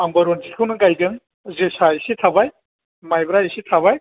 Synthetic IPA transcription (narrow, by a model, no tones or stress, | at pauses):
aŋbaɾɔnzikʰɯwnɯɡajdɯŋ | zɯsajsitʰabaj | majbɾaisitʰaβaj